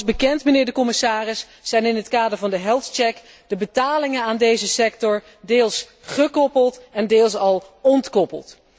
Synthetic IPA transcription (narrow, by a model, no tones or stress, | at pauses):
zbəkɛntmənɪːɹdəkɔmɪsaːrɪsː | ɛjnɪnɦətkaːdəɹvɑndəɦɛlˠtt͡ʃɛk | dəbətaːlɪŋənaːndejzəsɛk̚tɔɹ | deːlˠs | χəkɔpəlˠtɛndeːlˠsɑlˠɔntkɔpə̰lˠt